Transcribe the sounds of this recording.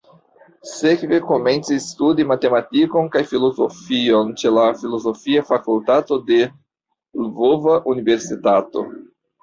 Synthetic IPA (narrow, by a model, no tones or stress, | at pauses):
sekveko̞me̞nt͡sistudimate̞matiko̞nkajfilo̞zofio̞nt͡ʃe̞lafilo̞zo̞fiafakultato̞de̞ | lvovaʔunive̞ɾsitato̞̰